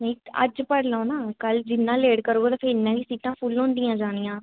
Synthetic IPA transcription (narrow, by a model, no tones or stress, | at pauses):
nĩːə̰d͡ʒpəɽlaõnaːkəld͡ʒɪnːãːleːɽkəɾoːɡːt̪ãːpʰeːɪnːãːɡiːsiːʈãːpʰʊlɦʊ̃ːnd̪ijãːd͡ʒaːñijãː